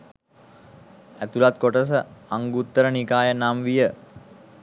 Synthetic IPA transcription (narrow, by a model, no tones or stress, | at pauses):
æt̪ulat̪̚koʈəs̬əaŋɡut̪ːəɾənikaːjənamʋijə